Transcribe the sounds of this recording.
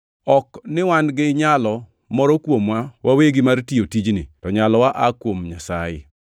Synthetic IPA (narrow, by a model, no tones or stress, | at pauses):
ɔknɪwanɡɪɲalɔ | mɔɾɔkwomwawaweɡimartiotid͡ʒnɪtɔɲalɔwaʔakwomɲasajɪ̰